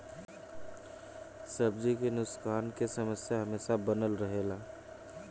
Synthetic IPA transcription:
səb̚d͡ʒikenʊskʰaːnkesəməsjaɦəmeːsabənəlɾəɦeːla

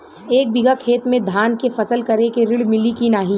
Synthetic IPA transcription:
eːk̚bɪɡakʰeːt̪mẽd̪ʱaːnkefɐsəlkɐɾekeɾɪɽmɪlikinaːɦĩ

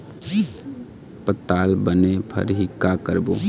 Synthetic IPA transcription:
pət̪ːaːlbənepʰə̰ɾɦɪkːakəɾboː

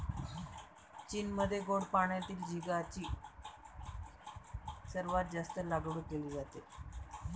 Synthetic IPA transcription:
t͡ɕiːnməd̪ʱːjeɡoɳɖpaɳjat̪iːld͡ʑiɡat͡ɕiː | səɾʋat̪̚d͡zast̪əlaɡɽuːk̚ɡeliːd͡zat̪e

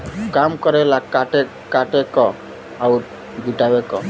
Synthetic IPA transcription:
kamkɔɾelakaʈe | kaʈekɔ | auɾ | bʱiʈawekɔ

